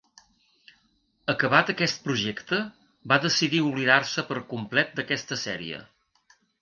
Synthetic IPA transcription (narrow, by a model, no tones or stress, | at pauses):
əkəβat̪əkɛst̪̚pɾuʒɛkt̪ə | baðəsiðiuβliðarsəpəɾkumplɛt̪̚d̪əkɛst̪əsɛɾḭə̰